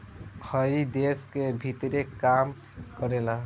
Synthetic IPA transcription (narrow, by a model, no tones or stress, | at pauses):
həɾid̪eskebʱit̪ɾekam | kəɾela